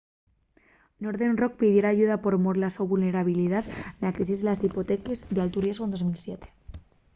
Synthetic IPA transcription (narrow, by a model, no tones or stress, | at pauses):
no̞ɾðe̞nrok̚piðje̞ɾaːʝuðapo̞ɾmoɾlasoβulne̞ɾaβ̞iliðaðnakɾisizðelasipot̪ekezðealt̪uɾjezɣond̪o̞zmilsjet̪e̥